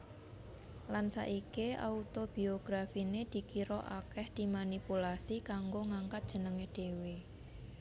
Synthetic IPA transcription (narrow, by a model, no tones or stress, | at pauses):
lansa̰ʔikeʔa̰ut̪ob̥ioɡ̥ɾafined̪̥i̤kiɾɔʔa̰kɛhd̪̥i̤manipulasikaŋɡoŋaŋkat̪̚dʒ̥ə̤nəŋeɖ̪̥ewe